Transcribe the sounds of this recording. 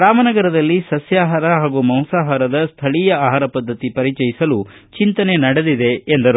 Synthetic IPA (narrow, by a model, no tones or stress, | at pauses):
ɾaːmɐnɐɡɐɾɐd̪ɐlːisɐsjaːɦaːɾɐɦaːɡumɐwsaːɦaːɾɐd̪ɐst̪ʰɐɭijɐaːɦaːɾɐpɐd̪ʱːɐt̪ipɐɾit͡ʃɐjisɐlu | t͡ʃint̪ɐne̞nɐɽed̪id̪e̞ːnd̪ɐɾ